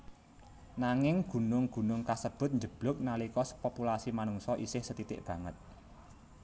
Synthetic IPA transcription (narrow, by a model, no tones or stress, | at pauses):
naŋɪŋɡ̥ṳnʊŋɡ̥ṳnʊŋkasəb̥ʊ̤t̪̚ɲd͡ʒəb̥lʊ̤k̚nalikɔspopulasimanuŋsɔʔisɪhsət̪it̪ɪ̰ʔb̥ä̤ŋət̪̚